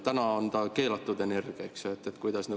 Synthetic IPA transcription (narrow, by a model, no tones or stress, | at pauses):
t̪ænɑɑnd̪̥ɑke̞ːlɑt̪ːˑud̪e̞ne̞rɡ̥iɑksjoet̪ːˑet̪kujd̪̥ɑsny